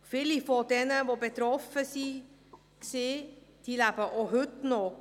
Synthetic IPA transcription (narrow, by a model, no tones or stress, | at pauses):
fɪlifod̪ɛnəʋoːbet̪ɾɔfəsi | kseːt̪ilæbəʔoɦʉt̪no